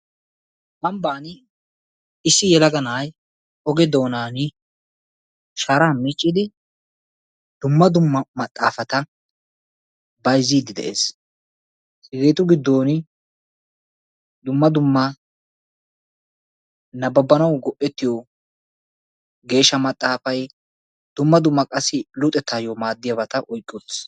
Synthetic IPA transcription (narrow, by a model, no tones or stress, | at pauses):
ʔɐmbaːn | ɪsːɪjɛlɐɡɐnaːj | ɔɡɛd̪o̞ːnaːnɪ | ʃaːɾaːmɪt͡ʃʼːɪd̪ɪ | d̪̥ʊmːɐd̪ʊmːɐmɐt̪ʼːa̰ːfɐt̪ɐ | bɐjzːiːd̪ɪd̪ɛ̰ʔe̞̰ːs | hɪɡeːt̪ʊɡɪd̪ːoːnɪ | d̪ʊmːɐd̪ʊmːɐ | nɐbɐbːɐnɐwɡɔʔɛt̪ːɪjɔ | ɡe̞ːʃːɐmɐt̪ʼːaːfɐj | d̪̥ʊmːɐd̪ʊmːɐkʼɐsːɪlʊt̪ʼɛt̪ʰːajɔmaːd̪ːɪjɐbɐt̪ɐʔɔjkʼːʊt̪s